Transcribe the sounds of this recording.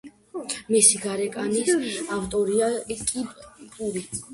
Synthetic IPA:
misiɡaɾɛkʼanisaft̪ʼɔɾiakʼipʼpʼuɾi

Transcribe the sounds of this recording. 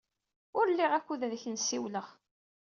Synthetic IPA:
ʊɾlːiʁækʷːuðæðçənsiwləʁ

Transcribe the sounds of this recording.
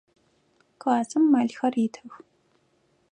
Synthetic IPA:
kʼaːzɨmːaɮxɐritʰɨx

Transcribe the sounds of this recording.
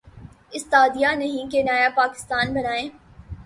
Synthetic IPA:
ɪst̪aːd̪ijanɐɦĩkenaːjapaːkɪ̥st̪aːnbɐnaːẽː

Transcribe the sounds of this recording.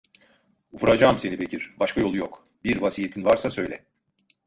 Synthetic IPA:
ufɾad͡ʒaːmse̞nibe̞cʰiɾ̥baʃkʰajo̞lˠujok | biɾvasijet̪ʰinvaɾsasø̞jlʲɛ̰

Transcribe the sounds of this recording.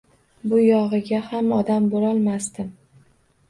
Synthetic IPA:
bʊjɒʁɨɡʲahamɒd̪ambolɒlˠmast̪ɪm

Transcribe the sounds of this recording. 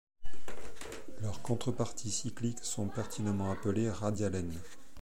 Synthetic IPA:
lœʁkɔ̃t̪χəpaʁt̪ʰisikliksɔ̃pɛʁt̪ʰinãmɑ̃apəleʁad̪jalɛn

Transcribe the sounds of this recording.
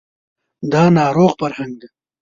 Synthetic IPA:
d̪ɑːnɑːɾoːɣfɐɾhaŋɡ̚d̪e

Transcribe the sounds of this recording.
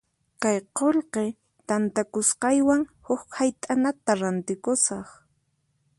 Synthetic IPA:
kajqolqe | t̪ant̪akʊsqɑjwaŋhʊkhajt̪ʼanat̪aɾant̪ɪkʊsɑχ

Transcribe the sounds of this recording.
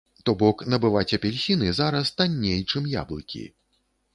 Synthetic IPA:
t̪ɔbɔknɐbɨvat͡sʲɐpʲɛlʲsʲinɨzaɾɐst̪anʲːejt͡ʂɨmja̰blˠɨkʲḭ

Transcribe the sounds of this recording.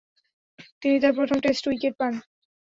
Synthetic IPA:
t̪init̪aɾpɾot̪ʰomʈesʈujkeʈ̚pan

